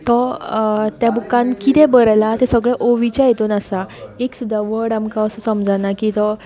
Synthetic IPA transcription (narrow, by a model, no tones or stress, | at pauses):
t̪ɔ | t̪jabukːãnkit̪ɛbəɾlat̪esəɡɭɛʔoʋit͡ɕajet̪onasaeksud̪ʱːaʋəɽamkaəsəsəmd͡zanakit̪ɔ